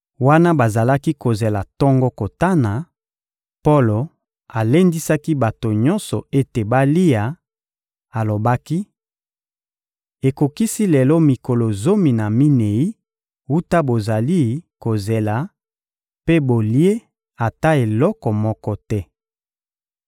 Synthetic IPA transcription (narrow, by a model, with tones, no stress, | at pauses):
wa˦na˦ba˨za˨la˦ki˦ko˨ze˨la˨tɔ˦ŋɡɔ˦ko˨ta˦na˨ | po˦lo˨ | a˨le˦ndi˦sa˦ki˦ba˨to˨ɲɔ̃˦nsɔ˨e˦te˨ba˦li˦ja˨ | a˨lo˨ba˦ki˦ | e˨ko˨ki˦si˦lɛ˨lɔ˦mi˨ko˨lo˨zo˦mi˨na˨mi˦ne˨i˦ | wu˦ta˦bo˨za˨li˦ko˨ze˨la˨ | pe˦bo˨li˦e˦ | a˨ta˦e˨lɔ˦kɔ˨mɔ˦kɔ˦tɛ˦